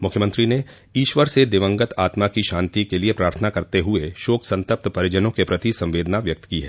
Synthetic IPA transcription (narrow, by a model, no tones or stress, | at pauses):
mʊkʰjəmə̃nt̪ɾine | iːʃʋəɾsed̪ɪʋə̃ŋɡət̪ʰaːt̪makiʃãːnt̪ikeliepɾaːɾt̪ʰənakɐɾt̪eɦʊeʃoːksɐ̃nt̪əp̚t̪pɐɾɪd͡ʒənõkepɾɐt̪isɐ̃mʋeːd̪naʋjɐk̚t̪kiɦɛ̰ː